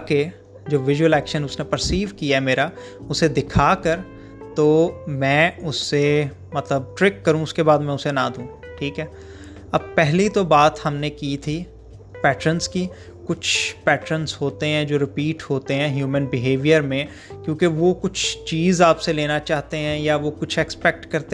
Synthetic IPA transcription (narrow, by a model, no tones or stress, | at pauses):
ke | d͡ʒoːʋɪʒwəlɛːkʃənʊsnepəɾsiːʋkiaɦɛmeːɾa | ʊsed̪ɪkʰaːkəɾ | t̪oːmɛ̃ːʊsːe | mɐt̪ləb̚ʈɾɪkːɐɾũʊskebaːd̪mɛ̃ʊsenad̪ũːʈʰiːkɦɛː | ɐb̚pɛɦlit̪obaːt̪hɐmnekit̪ʰi | pɛːʈɾənski | kʊt͡ʃʰpɛːʈɾənsɦoːt̪eɦɛ̃d͡ʒoːɾɪpiːʈhoːt̪eɦɛ̃ɦjuːmə̃nbɪɦeːʋijəɾmẽ | kjõːkeʋokʊt͡ʃʰt͡ʃiːzaːpseleːnat͡ʃaːɦt̪eɦɛ̃jaʋokʊt͡ʃʰɛkspɛk̚ʈkɐɾt̪e